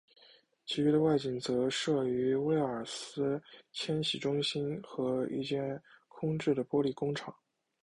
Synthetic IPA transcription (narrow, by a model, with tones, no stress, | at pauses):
t͡ɕʰi˧˥y˧˥d̪ə˧wa˥˩ɪt͡ɕi˨˩ŋt͡sɤ˧˥ʂɤ˥˩y˧˥we˥ɪə˞˨˩sɹ̩˥t͡ɕʰjɛ˥nɕi˨˩ʈ͡ʂʊ˥ŋɕi˥nxɤ˧˥ḭ˥˧t͡ɕjɛ˥˩nkʰʊ˥ŋʈ͡ʂɻ̩˥˩d̪ə˩pwɔ˥li˥˩kʊ˥ŋʈ͡ʂʰɑ˨˩˦